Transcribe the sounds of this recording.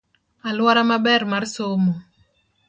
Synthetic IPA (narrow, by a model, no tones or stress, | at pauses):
alwaɾamabɛɾmarsomo